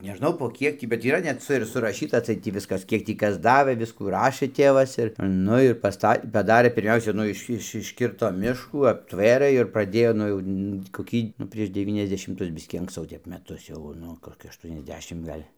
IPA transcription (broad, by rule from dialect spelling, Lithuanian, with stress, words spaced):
nʲɛˈʒnɐʊ poː ˈkʲiɛk tʲiː bʲɛt iːˈrɐ nʲɛt ˈt͡sɐ ɪr sʊrɐˈʃʲiːtɐ ɐtʲˈsʲɛɪt ˈtʲiː ˈʋʲɪskɐs ˈkʲiɛk tʲiː ˈkɐs ˈdɑːʋɘ ˈʋʲɪskuː ˈrɑːʃɘ ˈtʲeːʋɐs ɪr ˈnʊ ɪr pɐsˈtɐ pɐˈdɑːrʲeː pʲɪrʲˈmʲɛʊsʲɛ ˈnʊ ɪʃ ˈɪʃ ɪʃʲˈkʲɪrtoː ˈmʲɪʃkuː ɐpʲˈtʲʋʲeːrɘ ɪr prɐˈdʲeːjoː ˈnʊ jɛʊ tʲiː koːˈkʲiː nʊ ˈpʲrʲiɛʃ dʲɛˌʋʲiːnʲɛzʲdʲɛʃʲɪmˈtʊs ˈbʲɪsʲkʲiː ɐŋksˈt͡sɐʊ ˈtʲɛp mʲɛˈtʊs jɛʊ ˈnʊ koːˈkʲɪ ɐʃˌtuɔnʲɛzʲˈdʲæːʃʲɪm ˈɡɐlʲ